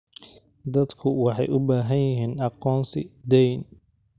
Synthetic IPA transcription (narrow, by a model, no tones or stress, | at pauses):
d̪ɐd̪kʰʊwɑħɑjʔʊbaːɦɐnjɪɦiːnɑqɔːnsɪd̪ɛjn